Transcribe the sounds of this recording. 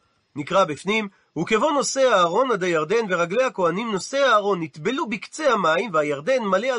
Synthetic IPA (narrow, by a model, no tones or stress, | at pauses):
nikʁabifnim | huke̞vo̞no̞se̞aːʁo̞nad̪ajaʁd̪e̞nveʁaɡle̞hako̞animno̞se̞aːʁo̞nːit̪belubikt͡sehamaimvehajaʁd̪e̞nmalea